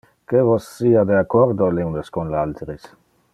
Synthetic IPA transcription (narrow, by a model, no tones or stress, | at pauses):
kevosːiad̪eakoɾd̪olewnd̪eskonlalt̪ɾis